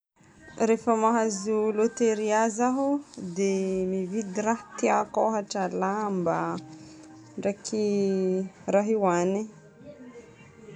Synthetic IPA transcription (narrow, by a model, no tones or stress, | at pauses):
refəmaɦazulot̪eɾiazaɦud̪emivid̪iɾaht̪iakoɦaʈ͡ʂalamba | ɳɖ͡ʐakʰi | raɦiwani